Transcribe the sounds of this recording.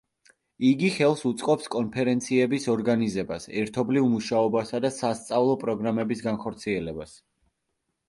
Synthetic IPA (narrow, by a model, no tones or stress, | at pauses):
iɡiχɛlˠsut̪sʼqʼɔpskʼɔnpʰɛɾɛnt̪sʰiɛbisɔɾɡanizɛbasɛɾt̪ʰɔblivmuʃaɔbasad̪asast̪sʼavlˠɔpʼɾɔɡɾamɛbisɡanχɔɾt̪sʰiɛlɛbas